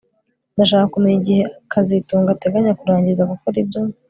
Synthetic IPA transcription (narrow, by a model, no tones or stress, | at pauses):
ndaʃ̬aːkakumeɲiɟihe̞akʰazituːŋɡate̞ɡaɲakuɾaːɲɟizaɡukoɾibjo